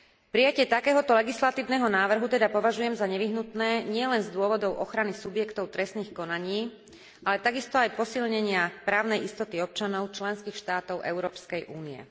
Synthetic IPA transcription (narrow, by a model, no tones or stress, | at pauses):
pɾijacɪɛt̪akɛːɦɔt̪ɔlɛɡislat̪iːʊnɛːɦɔnaːʋr̩ɦut̪ɛd̪apɔʋaʒujɛmzaɲɛʋiɦnut̪nɛːɲɪɛlɛnzd̪ʊɔʋɔd̪ɔʊʔɔxɾanisubjɛkt̪ɔʊt̪ɾɛsniːxkɔnaɲiː | ʔalɛt̪aɡist̪ɔajpɔsilɲɛɲɪapɾaːʊnɛjist̪ɔt̪iɔp̚t͡ʃanɔʊt͡ʃlɛnskiːxʃt̪aːt̪ɔʊʔɛ̰ʊɾɔːpskɛjʔuːniɛ̰